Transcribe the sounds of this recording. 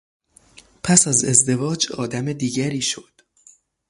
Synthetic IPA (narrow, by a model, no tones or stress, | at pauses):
pʰæsæze̞zd̪e̞vɒːd͡ʒɒ̰ːd̪æmed̪iːɟæɾiːʃo̞d̪̥